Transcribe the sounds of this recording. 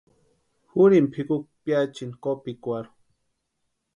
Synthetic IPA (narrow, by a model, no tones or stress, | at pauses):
xuɾimpʰikuk̚pjat͡ʃinkopikʷaɾu̥